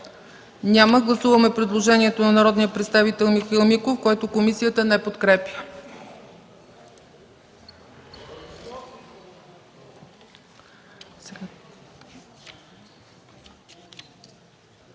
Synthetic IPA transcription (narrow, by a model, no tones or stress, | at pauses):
nʲaməɡlˠɐsuvɐəmɛpɾɛd̪lˠoʒɛniɛt̪onɐnɐɾɔd̪nijəpɾɛt̪st̪avit̪ɛlˠmixilˠmikofkoɛt̪okomisijət̪ənɛpot̪kɾɛpjə | s